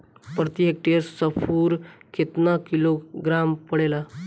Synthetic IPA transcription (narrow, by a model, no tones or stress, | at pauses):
pɾət̪iɦek̚ʈeɾsəfʰuːɾkʰet̪nakiloɡɾampəɽela